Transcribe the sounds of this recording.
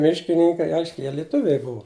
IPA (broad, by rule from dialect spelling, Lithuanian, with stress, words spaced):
ˈmʲɪʃʲkʲɪnʲɪŋkɐɪ ˈɐɪʃʲkʲɛɪ ˈjiɛ lʲɪˈtʊʋʲɛɪ ˈbʊʋʊ